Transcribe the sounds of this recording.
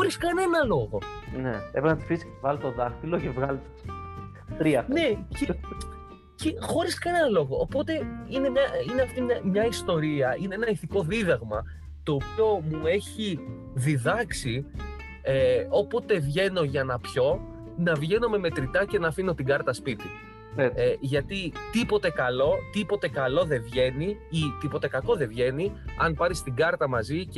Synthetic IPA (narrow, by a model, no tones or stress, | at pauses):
xoɾiskɐne̞nɐlo̞ɣo̞neepenɐt̪i̥fisvɐlt̪o̞ðɐxilocevɣɐl | t̪ɾiɐfne̞e | cexo̞ɾiskɐne̞nɐlo̞ɣo̞ʔːpo̞t̪e̞ine̞mɲɐine̞ɐft̪imɐmɲɐist̪o̞ɾiɐine̞enɐiθiko̞ðiðɐɣmɐ | t̪o̞ːpio̞mue̞çi | ðiðɐksi | eopo̞t̪e̞vʝe̞no̞ʝɐnɐpço̞ | nɐvʝe̞nome̞me̞t̪ɾit̪ɐce̞nɐːfino̞t̪iɡɐɾt̪ɐspit̪i | eʝɐt̪it̪ipo̞t̪e̞kɐlo̞t̪ipo̞t̪e̞kɐlo̞ðe̞vʝe̞niit̪ipot̪e̞kɐko̞ðe̞vʝe̞niɐnpɐɾist̪iɡɐɾt̪ɐmɐzic